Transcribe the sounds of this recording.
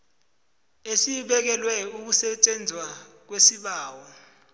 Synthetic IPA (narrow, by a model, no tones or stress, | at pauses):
esiɓɛk̬ɛlwɛuk̬usɛt͡ʃʼend͡zʱwa | k̬wesiɓaːwɔ